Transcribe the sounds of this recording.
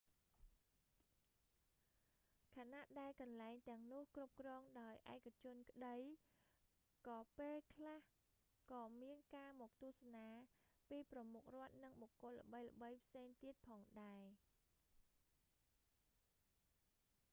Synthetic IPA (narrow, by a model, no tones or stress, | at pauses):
kʰaːnaʔɗaɛlkɑnlaɛŋt̪ɛ̆əŋnʊ̆əhkrup̚krɔːŋɗaɔjʔaɛkʰːat͡ɕʊ̆ənkə̆ɗəj | kɑːpeːlkʰlah | kɑːmiənkaːmɔːk̚t̪ʊəhsanaːpiːprɑmuk̚rŏət̪̚nɨŋɓɔkːʊ̆ələ̰̆ɓəjlə̰̆ɓəjpʰseːŋt̪iət̪̚pʰɑːŋɗaɛ